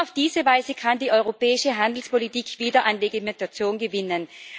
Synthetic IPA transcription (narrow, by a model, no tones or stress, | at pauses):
aʊfd̥iːzəvaɪzəkʰandiːʔɔʏʁopɛːɪʃəɦandl̩spolitiːkv̥iːdɐʔanʁeɡimɛntat͡sjoːnɡəvɪnən